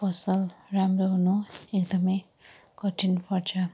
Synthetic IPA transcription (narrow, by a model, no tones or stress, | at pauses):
pʌsʌlramroɦunuekd̪ʌmʌj | kʌʈʰinpʌrt͡sʰʌ